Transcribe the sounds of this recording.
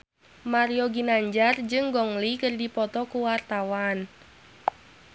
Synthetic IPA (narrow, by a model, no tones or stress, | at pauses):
maɾijoɡinaɲd͡ʒard͡ʒɨŋɡɔŋlikɨrdipɔt̪ɔkuwart̪awan